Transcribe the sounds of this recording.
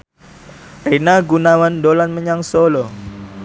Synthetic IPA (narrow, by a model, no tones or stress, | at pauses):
renaɡunawandolanməɲaŋsolo